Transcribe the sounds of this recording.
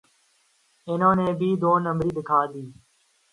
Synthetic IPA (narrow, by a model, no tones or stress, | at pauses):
ɪnõːneːbʱiːd̪oːnəmɾiːd̪ɪkʰaːd̪iː